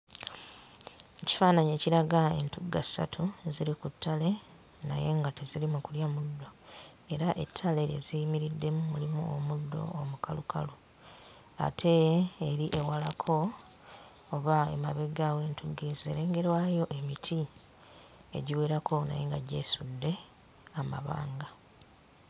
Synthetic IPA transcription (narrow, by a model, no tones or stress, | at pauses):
eci̥faːnaɲeːciɾaɡae̞̰ntuɡa̰sa̰tʰuziɾikutʰːale̞ | na̰je̞ŋɡate̞zilimukuljamudːo̞ | e̞ɾaʔe̞̰tʰːale̞ḛzijimiɾidːe̞mumulimṵo̰mudːo̞̰omukaluka̰lu | a̰tʰe̞ːɾiʔe̞walakʰo̞ | βaḛmaβeɡawe̞ːntuɡize̞ːɾe̞ːŋɡe̞ɾwaːjo̞ʔe̞mitʰi | ḛɟiweːɾako̞na̰je̞ŋɡaɟe̞̰ːsudːe̞ | ama̰βa̰ːŋɡa